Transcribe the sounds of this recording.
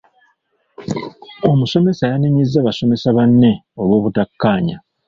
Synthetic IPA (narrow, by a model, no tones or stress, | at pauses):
o̞muso̞me̞sajaniɲizːaβaso̞mesaβanːe̞o̞lwo̞ːβutakːaːɲa̰